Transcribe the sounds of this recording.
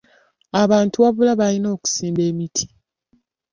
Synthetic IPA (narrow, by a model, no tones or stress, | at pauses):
aβaːntuβaβulaβalino̞ːku̥siːmbe̞ːmitʰi̥